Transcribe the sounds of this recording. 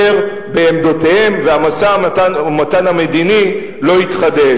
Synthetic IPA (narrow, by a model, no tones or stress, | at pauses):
eʁ | be̞ːmd̪otehe̞mveamasatamataname̞d̪ini | lo̞it̪χad̪e